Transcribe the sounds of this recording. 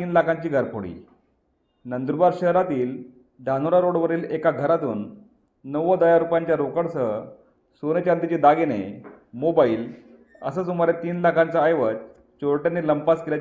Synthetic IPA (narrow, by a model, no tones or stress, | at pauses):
iːnlakʰãɲt͡ɕiːɡʱəɾpoɽḭː | nənd̪ɾbaɾɕəɦɾat̪iːl | ɖʱanuɾaɾoɽʋəɾiːlekaɡʱəɾat̪uːnː | əʋəd̪əjaɾupjaɲt͡ɕjaɾokəɽsə | sonet͡ɕand̪it͡ɕid̪aɡene | mobaiːl | ə̰səːsumaɾet̪iːnlakʰãnt͡saːjʋət͡s | t͡ɕoɾʈjanːiːləmpaskila